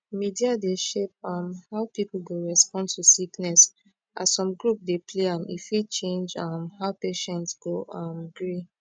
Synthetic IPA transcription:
midiadeʃep̚ãmhaʊpipul̩deɹɛspɔ̃ntusiknɛs | a̰ssɔ̃mɡɹup̚depʰleãmḭfwit͡ʃẽnd͡ʒãmhaʊpeʃɛ̃ntsɡoãmɡɹi

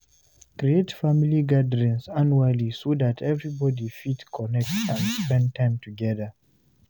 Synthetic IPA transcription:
kɾietfamiliɡadəɹĩnsanualisodatʰɛvɹibɔdifitkʰɔnɛk̚tãnspɛ̃nd̚tʰãɪ̃mtuɡɛðə

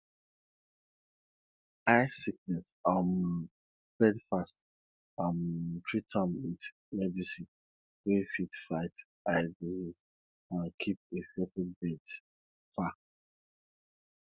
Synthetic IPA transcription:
aɪsik̚nɛs | am | fɹɛdfast | ampʰɹitʰɔmit | mɛdisi | wefitfaɪt | aɪdisiz | ãnkʰip̚esɛtɛnbɛt | fa

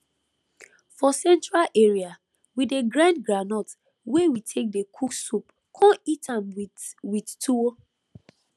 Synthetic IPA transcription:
fɔsɛ̃ntɹalʔeɹia | wideɡɹãndɡɹanɔt | wewitʰek̚dekʰuksup | kʰɔ̃nitãmwwidtuwo

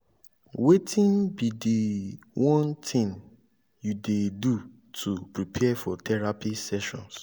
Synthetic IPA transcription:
wetʰĩnbide | wɔ̃ntʰĩŋ | judedu | tʰupɹipʰɛfɔtʰɛɹapisɛʃɔ̰̃ns

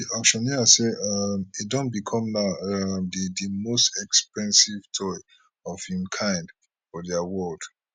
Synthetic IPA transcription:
diɔkʃɔ̃niaseamidõntbikʰɔ̃mnaʊadidimostɛkspɛ̃nsivtʰɔɪ | ɔfhĩmkʰãɪ̃nd | fɔdjawɔld̥

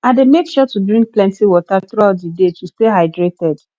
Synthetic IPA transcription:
ãdemekʃɔtudɹĩŋk̚plɛ̃ntiwɔtaθɾuaʊtdidetʰusteɦaɪdɹetɛd

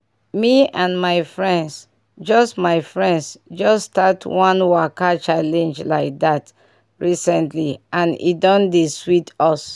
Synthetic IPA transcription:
miãnmaɪfɹɛ̃nds | d͡ʒɔstmaɪfɹɛ̃ndsd͡ʒɔstatʰwɔ̃nwakat͡ʃalɛ̃nd͡ʒlaɪk̚dat | ɹisɛ̃ntliʔãnḭdɔ̃ndeswitɔs

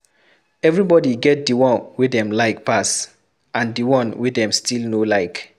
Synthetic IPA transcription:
ɛvɹibɔdiɡɛt̚diwɔ̃nwidɛ̃mlaɪk̚pas | ãndiwɔ̃nwidɛ̃mstʰilnolaɪk

